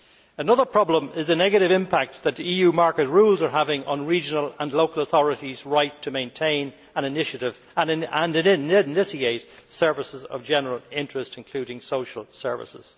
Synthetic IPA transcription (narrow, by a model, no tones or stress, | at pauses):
ənʌðə˞pʰɹ̥ɑblə̃mɪzðənɛɡəɾɪvɪ̃mpʰak̚t̪̚ðəɾijʉːmaɹkət̚ɹuːlˠzə˞ɦavɪ̃ŋʔə̰̃nɹid͡ʒənələ̃nloʊkələθɔɹəɾizɹaɪtʰəmẽɪ̃ntʰẽɪ̃n | ə̃nɪnɪʃəɾɪv | ə̃nə̃nɪnɪnɪnɪsieɪtsɜ˞vɪsɪzə̰vd͡ʒɛnəɹəlˠɪ̃ntɹ̥ɨstɨ̃n̩kʰl̥ʉːɾɪ̃ŋsoʊʃəl̩ˠsɜ̰˞vɪ̰sɪ̰z̥